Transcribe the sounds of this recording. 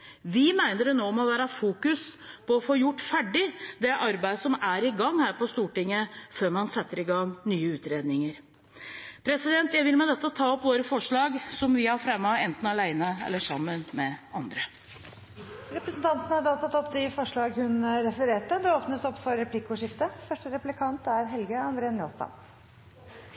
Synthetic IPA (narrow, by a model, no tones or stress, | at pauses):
ʋɪmæɪnəɾnoːɔmɔʋæːɾəfuːkʉspʰɔɔfoːjʊʈːfæɖɪd̪ɛʔɑɾbæɪd̪sɔmæɾɪɡɑŋːhæːɾpɔst̪uːʈɪŋːəføːɾmɑnsɛt̪ːəɾɪɡɑŋnyːəʉːt̪ɾeːd̪nɪŋəɾ | pʰɾɛsɪd̪ɛnt̪jæɪʋɪlmɛd̪ɛt̪ːət̪ʰɑːɔpːʋoːɾəfɔʂɭɑːɡsɔmʋɪhɑɾfɾɛmːɑɛnt̪n̩ɑlæɪnəɛ̰lːəʂɑmːənmɛɑnd̪ɾə | ɾɛpɾəsnt̪ʰɑnt̪ənəhɑɖɑːt̪ʰɑt̪ɔpːd̪ɪfɔʂɭɑːɡhʉnɾɛfəɾeːʈəd̪ɛoːpnəsɔpːfɔɾɛpʰlɪkːʊʂɪft̪əfœʂʈəɾɛplɪkʰɑnt̪æɾɦɛlɡəɑnd̪ɾeːənmjoːlst̪ɑ̰n